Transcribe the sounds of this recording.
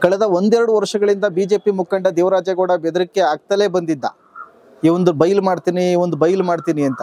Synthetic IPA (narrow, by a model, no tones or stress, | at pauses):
kɐɭɛd̪ɐond̪ɛɾɐɽuʋɐɾʂɐɡɐɭind̪ɐbiːd͡ʒe̞ːpimukːɐɳɖɐd̪eːʋɾaːd͡ʒjɐɡoːɽɐbɛd̪ɐɾikːeaːɡ̚t̪ɐle̞ːbɐnd̪id̪ːɐ̰ | iːʋond̪ubɐjlmaːɖt̪iːniːʋond̪ubɐjlmaːɽt̪iːniɐnt̪ɐ